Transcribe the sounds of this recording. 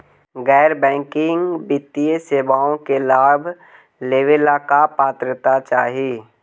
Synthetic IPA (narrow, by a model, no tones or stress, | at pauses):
ɡɛːɾbɛ̃ːŋkɪŋɡbɪt̪ːijəseːʋaːõkelaːbʱ | leːʋelakapaːt̪ɾət̪at͡ʃaːɦie